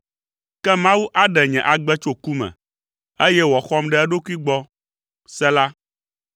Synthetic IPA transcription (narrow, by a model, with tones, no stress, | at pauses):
kɛ˦mã˦wu˦ʔa˦ɖɛ˨ɲɛ̃˨ʔa˨ɡ͡bɛ˦t͡ʃo˦ku˦mɛ̰̃˨ | e˦jɛ˦wɔ˨xɔ˦mɖɛ˦ɛ˦ɖo˦ku˦i˦ɡ͡bɔ˦ | sɛ˦la˦